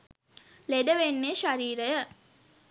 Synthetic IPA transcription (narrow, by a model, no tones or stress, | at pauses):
leɖəʋenːeːʃaɾiːɾəjə